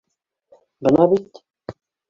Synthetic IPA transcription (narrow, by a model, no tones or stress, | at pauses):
bənɑbit̪